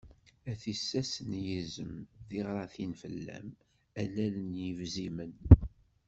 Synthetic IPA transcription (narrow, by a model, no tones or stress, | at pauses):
æθisːæsənjizəmðiʁɾˤɑθinfə̰lːæ̰m | ælælənjəvzimən